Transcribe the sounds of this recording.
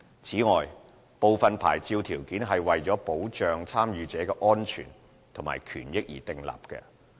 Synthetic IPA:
t͡sʰiː˨˥ŋɔː˨j | po˨˧wfɐ˨npʰa̰ː˨˩jt͡siː˧wt̪ʰiː˨˩wkiː˨˥nɦɐ˨jwɐ˨jt͡sɔː˨˥po˨˥wt͡ʃœː˨ŋt͡sʰaː˥mjyː˨˧t͡sɛː˨˥kɛː˧ʔɔː˥nt͡ʃʰy̰ː˨˩n | t̪ʰo˨˩ŋma̰ː˨˩jkʰyː˨˩njɪ˥k̚jḭː˨˩t̪ɪ˨ŋla̰ː˨p̚kɛ̰˧

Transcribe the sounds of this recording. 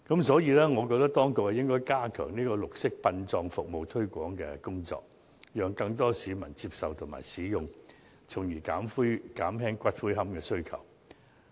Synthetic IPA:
kɐ˨˥msɔː˨˥jiː˨˧lɛː˥ŋɔː˨˧kɔː˧k̚t̪ɐ˥k̚t̪ɔː˥ŋkʊ˨k̚hɐ˨jɪ˥ŋkɔː˥jkaː˥kʰœː˨˩ŋniː˥kɔː˧lʊ˨k̚sɪ˥k̚pɐ˧nt͡sɔː˧ŋfʊ˨k̚mo˨wt̪ʰɵ˥ɥkʷɔː˨˥ŋkɛ̰ː˧kʊ˥ŋt͡sɔ̰ː˧k̚ | jœː˨ŋkɐ˧ŋt̪ɔː˥siː˨˧mɐ̰˨˩nt͡siː˧p̚sɐ˨wt̪ʰʊ˨˩ŋma̰ː˨˩jsiː˨˥jʊ˨ŋ | t͡sʰʊ˨˩ŋjiː˨˩kaː˨˥mfuː˥kaː˨˥mɦɛː˥ŋkʷɐ˥t̚fuː˥jɦɐ˥mkɛː˧sɵ˥ɥkʰɐ̰˨˩w

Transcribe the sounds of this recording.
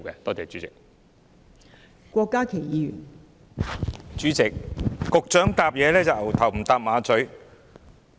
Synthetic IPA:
kɛː˧t̪ɔː˥t͡sɛː˨˩t͡ʃyː˨˦˥t͡sɪ̰˨k̚ | kʷɔː˧kːaː˥kʰe˨˩jiː˨˧jy̰ː˨˩n | t͡ʃyː˨˥t͡sɪ˨k̚ːʊ˨k̚t͡ʃœː˨˥ŋt̪aː˨p̚jɛː˨˧lɛː˥t͡sɐ˨wɐ˨˩wt̪ʰɐ˨˩wm̩˨˩t̪aː˨p̚maː˨˧t͡sɵ˨˥ɥ

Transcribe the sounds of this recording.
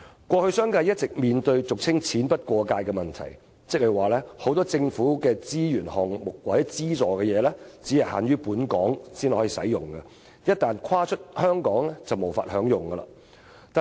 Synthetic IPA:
kʷɔː˧hɵ˧ɥsœː˥ŋkaː˧jɐ˥t̚t͡sɪ˨k̚miː˨nt̪ɵ˧ɥt͡sʊ˨k̚t͡sʰɪ˥ŋt͡sʰiː˨˥npɐ˥t̚kʷɔː˧kaː˧jkɛ˧mɐ˨nt̪ʰɐ˨˩j | t͡sɪ˥k̚hɐ˨˩jwaː˨˩lɛː˥ho˨˥wt̪ɔː˥t͡sɪ˧ŋfuː˨˥kɛː˧t͡siː˥jyː˨˩nhɔː˨ŋmʊ˨k̚wɐ˨˥jt͡siː˥t͡sɔː˨˩kɛː˧jɛː˨˧lɛ˥t͡siː˨˥jɐ˨jha̰ː˨˥nɥyː˥puː˨˥nkɔː˨˥ŋsiː˥nlɔː˨˥ji˨˩sɐ̰˨˥jjʊ˨˩ŋɡɐ˧ | jɐ˥t̚t̪aː˨nkʰaː˥t͡ʃʰɵ˥t̚hœː˥ŋkɔː˨˥ŋlɛ˥t͡sɐ˨wmo˨wfa̰ː˧t̚hœː˨˥ŋjʊ˨˩ŋɡɐ˧lɐ̰˧ | t̪aː˨

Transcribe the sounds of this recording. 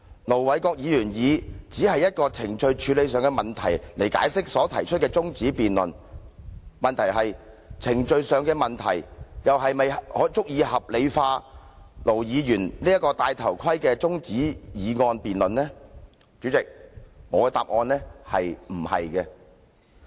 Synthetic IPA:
lo˨˩wwɐ˨˥jkɔː˧k̚jiː˨˧jyː˨˩njiː˨˧t͡siː˨˥hɐ˨jːɐ˥t̚kɔː˧t͡sʰɪ˨˩ŋt͡ʃɵ˧ɥt͡ʃʰyː˨˧˥le˨˧jsœː˨˧ŋkɛː˧mɐ˨nt̪ʰɐ̰˨˩jle˨˩jka̰ː˨˥jsɪ˥k̚sɔː˨˥t̪ʰɐ̰˨˩jt͡ʃʰɵ˥t̚kɛː˧t͡sʊ˥ŋt͡siː˨˥piː˨nlɵ̰˨n | mɐ˨nt̪ʰɐ˨˩jɦɐ˨j | t͡sʰɪ˨˩ŋt͡ʃɵ˧ɥsœː˨ŋkɛː˧mɐ˨nt̪ʰɐ̰˨˩jjɐ˨wɦɐ˨jmɐ˨jhɔː˨˥t͡sʊ˥k̚jiː˨˧hɐ˨p̚le˨˧jfaː˧lo˨˩wjiː˨˧jyː˨˩nliː˥jɐ˥t̚kɔː˧t̪aː˧jt̪ʰɐ˨˩wkʰɐ˥jkɛː˧t͡sʊ˥ŋt͡siː˨˥jiː˨˧ŋɔː˧npiː˨nlɵ˨nɛː˥ | t͡ʃyː˨˥t͡sɪ˨k̚ŋɔː˨˧ɛ˧t̪a̰ː˨p̚ŋɔː˧nlɛː˥hɐ̰˨jm̩˨˩hɐ̰˨jkɛ˧

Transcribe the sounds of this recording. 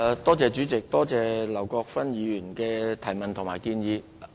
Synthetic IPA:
t̪ɔː˥t͡sɛː˨˧t͡ʃyː˨˥t͡sɪ˨k̚t̪ɔː˥t͡sɛː˨˧lɐ˨˩wkɔː˧k̚fɐ˥njiː˨˧jyː˨˩nkɛː˧t̪ʰɐ˨˩jmɐ˨nt̪ʰʊ˨˩ŋmaː˨jkiː˧njiː˨˧

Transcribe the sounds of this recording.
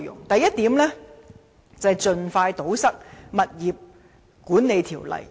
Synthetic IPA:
jʊ̰˨˩ŋt̪ɐ˨˧jɐ˥t̚t̪iː˨˥mlɛ˥ | t͡sɐ˨jt͡sɵ˨˧nfaː˧jt̪o˨˥wsɐ˥k̚mɐ˨t̚jiː˨p̚ | kuː˨˥nne˨˧jt̪ʰiː˨˩wlɐ̰˨˩j

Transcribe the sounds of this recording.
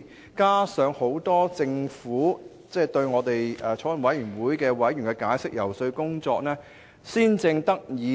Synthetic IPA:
kaː˥sœː˨˧ŋho˨˥wt̪ɔː˥t͡sɪ˧ŋfuː˨˥ | t͡sɛː˥˩t̪ɵ˧ɥŋɔː˨˧t̪e˨jɛː˨t͡sʰɔː˨˥wɐ˨˩nwɐ˨˥jyː˨˩nwuː˨˥jkɛː˧wɐ˨˥jɥyː˨˩ŋkɛ˧kaː˨˥jsɪ˥k̚jɐ˨˩wsɵ˧ɥkʊ˥ŋt͡sɔː˧k̚nɛː˥ | siː˥nt͡sɪ˧ŋt̪ɐ˥k̚jiː˨˧

